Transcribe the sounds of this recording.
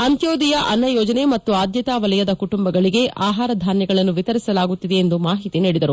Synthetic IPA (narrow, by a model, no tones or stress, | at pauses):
ɐnt̪joːd̪ijɐʔɐnːɐjɔːd͡ʒɐne̞mɐt̪ːuaːd̪jɐt̪aːʋɐlɛjɐd̪ɐkuʈumbɐɡɐɭiɡe̞ʔaːɦaːɾɐd̪ʱaːnjɐɡɐɭɐnːuʋit̪ɐɾisɐlaːɡut̪ːid̪eːnd̪umaːɦit̪iniːɽid̪ɐɾu